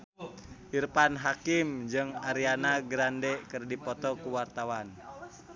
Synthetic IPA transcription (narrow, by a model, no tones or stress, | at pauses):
ʔirpanɦakimd͡ʒɨŋaɾianaɡɾandɛkɨrdipɔt̪ɔkuwart̪awan